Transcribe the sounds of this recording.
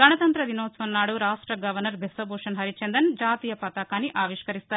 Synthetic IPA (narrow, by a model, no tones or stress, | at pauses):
ɡɐnɐt̪ɐnt̪ɾɐd̪inoːsʋɐnːaːɽuɾaːʂʈɾɐɡɐʋɐɾnɐɾbʱesɐboːʂɐnɦɐɾit͡ʃend̪ɐnd͡ʒaːt̪iːjɐpɐt̪aːkaːniʔaːʋiʂkɐɾist̪aːɾ